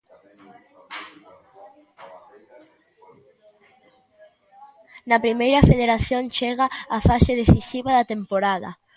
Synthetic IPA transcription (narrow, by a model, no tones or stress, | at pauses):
nɐpɾimejɾɐfeðeɾaθjont͡ʃeɣaːfaseðeθisiβaðɐt̪empoɾaðɐ̰